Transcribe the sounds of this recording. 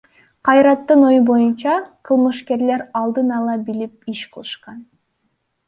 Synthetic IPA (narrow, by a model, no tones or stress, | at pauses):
qʰɑjɾɑt̪ːɯno̞jubo̞junt͡ʃɑqʰɯlˠmɯʃke̞ɾle̞ɾɑlˠd̪ɯnɑlˠɑbilip̚iʃqʰɯlˠɯʃqɑn